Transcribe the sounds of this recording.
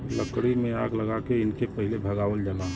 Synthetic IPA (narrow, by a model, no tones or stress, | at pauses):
ləkɽimẽa̰ːɡləɡakeɪnkepəɦɪilebʱəɡaːʋəld͡ʒəla